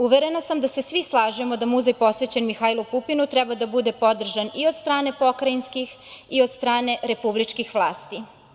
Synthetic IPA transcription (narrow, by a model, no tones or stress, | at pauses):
uʋeɾenasamd̪ase̞sʋislˠaːʒemo̞d̪amuzajpo̞sʋet͡ɕenmixailˠupupinut̪ɾɛbad̪abud̪e̞po̞d̪r̩ʒanio̞d̪st̪ɾaːne̞po̞kɾainskix | iod̪st̪ɾaːne̞ɾe̞publit͡ʃkixʋlˠaːst̪i